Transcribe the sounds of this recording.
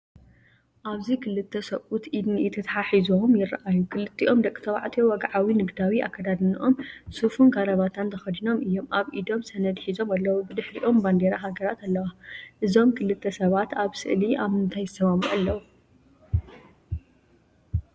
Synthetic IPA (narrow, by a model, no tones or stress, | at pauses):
ʔaβzikʰɨlɨt̪ʰːɐsɐʔʼut̪ʔid̪niɨt̪ʰɐt̪ʰħaħizumjɪɾːa̰ʔajukʰɨlɨt̪ʰːiʔo̞md̪ɐkʼːi̥t̪ʰɐβa̰ʕt̪ʰiowɐɡaʕawinɨɡd̪awiʔa̰kʰːɐd̪ad̪ɨniʔo̞msufunɡaɾɐβat̪ʰant̪ʰɐxɐd̪ino̞mʔɨjːo̞mʔaβʔid̪o̞msɐnɐd̪ħizo̞malːɐwubɨd̪ɨħɾḭʔo̞mband̪eɾaɦaɡɐɾat̪alːɐwaʔɨzo̞mkʰɨlɨt̪ʰːɐsɐβat̪aβsɨ̰ʔliʔaβɨnt̪ʰajɨsɐmamuʔalːɐwu